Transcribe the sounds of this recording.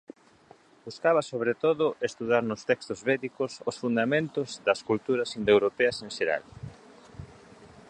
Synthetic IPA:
buskaβɐsoβ̞ɾet̪oðʊʔest̪uðaɾnʊst̪ɛkst̪ʊzβɛðikʊsosfund̪amẽnt̪ʊzðɐskult̪uɾɐsind̪ewɾopɛɐseŋʃeɾa̰l

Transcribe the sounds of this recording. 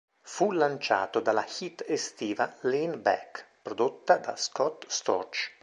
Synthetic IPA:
fulant͡ʃa̰ːt̪od̪alːaxit̪ːest̪iːvalinbɛ̰kpɾod̪ot̪ːad̪a̰skɔt̪st̪ɔ̰rt͡ʃ

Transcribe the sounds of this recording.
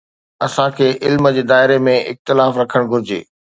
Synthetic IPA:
ɐsãkʰeːʔɪlməd͡ʑeːd̪aːɪɾemẽɪ̰xt̪ɪlaːfɾɐkʰəɽ̃ɡʱʊɾɪd͡ʑḛː

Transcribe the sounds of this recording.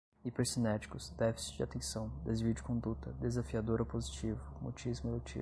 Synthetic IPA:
ipeɾsinɛt͡ʃi̥kʊsd̪ɛfi̥si̥t͡ʃd͡ʒɪat̪ẽsɐ̃w̃d̪ezviʊd͡ʒɪkõd̪ut̪ɐd̪ezafiad̪oɾopozit͡ʃivʊmot͡ʃizmʊelot͡ʃḭ

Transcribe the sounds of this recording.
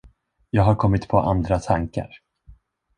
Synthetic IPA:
jɑːɡɦaɾkʰɔmːɪt̪pʰɔʔand̪ɾat̪ʰaŋka̰ɾ

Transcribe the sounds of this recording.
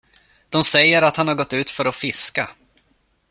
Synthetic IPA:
d̪̥ɔmsɛjːəɾat̪hanhaɾɡɔt̪ːʉ̟ːt̪fœɾɔfɪska

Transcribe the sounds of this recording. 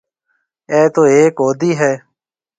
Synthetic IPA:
ɛːt̪oːeːkɦoːd̪iːɦɛː

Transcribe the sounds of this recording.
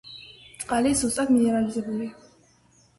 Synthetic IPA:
t̪ʼqʼalizzust̪ʼad̪miɛɾalizɛbuli

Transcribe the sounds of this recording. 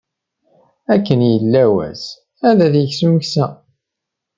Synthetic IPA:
ækːənjəlːæwæ̰s | æðæθjəçsuməçsæ

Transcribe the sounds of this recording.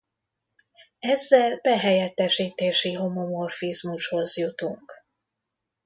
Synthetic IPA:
ɛzːɛlbɛɦɛjɛt̪ːɛʃiːt̪eːʃiɦomo̞mo̞rfizmuʃho̞zjut̪uŋk

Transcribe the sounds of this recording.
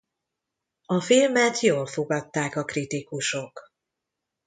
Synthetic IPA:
ɒfilmɛt̪joːlfoɡɒt̪ːaːkɒkrit̪ikuʃo̞k

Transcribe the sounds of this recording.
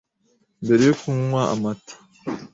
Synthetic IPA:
mbe̞ɾe̞jokumuŋwaa̰matʰḁ

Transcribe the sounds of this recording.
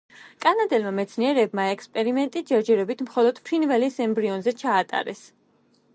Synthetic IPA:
kʼanad̪ɛlmamɛt̪sʰniɛɾɛbmaɛkspʼɛɾimɛnt̪ʼid͡ʒɛɾd͡ʒɛɾɔbit̪ʰmχɔlˠɔd̪̥pʰɾinvɛlisɛmbɾiɔnzɛt͡ʃʰaːt̪ʼa̰ɾɛs

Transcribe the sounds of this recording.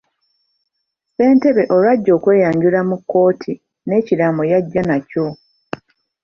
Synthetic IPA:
se̞ːnte̞βe̞ʔo̞lwaɟːo̞ːkwe̞ːjaːɲɟulamukːo̞ːtʰi | ne̞ːcilamo̞jaɟːanaco̞

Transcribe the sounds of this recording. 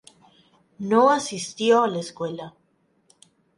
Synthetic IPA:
noasist̪joaleskwe̞la

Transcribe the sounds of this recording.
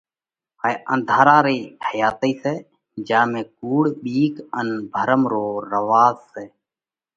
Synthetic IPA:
əːeʔə̰̃nd̪ʱaːɾaːɾeːhəjaːt̪əiːseː | d͡ʒãːmẽːkuːɽɓiːkənbʱəɾəmɾoːɾəʋaːzseː

